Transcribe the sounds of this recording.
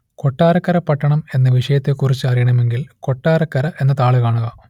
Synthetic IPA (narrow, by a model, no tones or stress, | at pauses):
ko̞ʈːaːɾɐkːɐɾɐpːɐʈːɐɳɐme̞nːɐʋiʂɐjɐt̪ːekurit͡ɕːɨɐrijɐɳɐme̞ŋɡilko̞ʈːaːrɐkːɐɾɐʔe̞nːɐt̪aːɭɨkaːɳuɣɐ